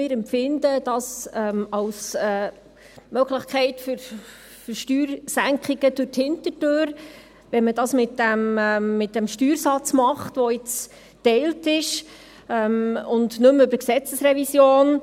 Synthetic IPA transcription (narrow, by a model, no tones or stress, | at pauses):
ɪːɾɛmpfɪndəd̥ɑsɛmɑwsɛː | mœɡ̥ləχkχɛɪtføɾ | fɾʃtyːɾsæŋkχiɡ̥əd̥ʊɾthɪntətøːɾ | ʋɛnmədɑsmɪtdæmːɪt̚dæmʃtyːɾsɑt͡smɑχtʋoɪt͡s | tɛɪltɪʃ | ɛmʊndnɵmʏbəɾksɛt͡səsɾɛvisjoːn